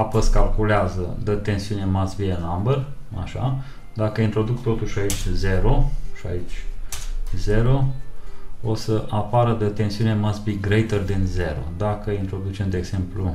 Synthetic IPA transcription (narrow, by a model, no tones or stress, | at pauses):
apəskalkuleazəd̪ət̪e̞nsiune̞masbienambəra̰ʃa̰ | d̪akəint̪ɾo̞d̪ukt̪o̞t̪uʃait͡ʃʲze̞ɾo̞ʃia̰it͡ʃʲ | ze̞ɾo̞ | osəʔapaɾəd̪ət̪e̞nsiune̞masbiɡɾejt̪ərd̪inze̞ɾo̞̰d̪akəint̪ɾo̞d̪ut͡ʃe̞md̪eːɡz̥e̞mplu